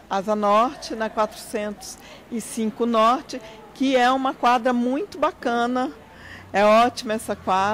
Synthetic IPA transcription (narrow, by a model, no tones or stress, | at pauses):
azɐnɔɾt͡ʃɪnɛ̃kwat̪ɾʊsẽnt̪ʊ̥z̥ | ɪsĩkʊnɔɾt͡ʃɪ | kɪɛũmɐkwad̪ɾɐmũj̃t̪ʊbakɐ̃nɐ | ɛɔt͡ʃimɐɛsɐkwa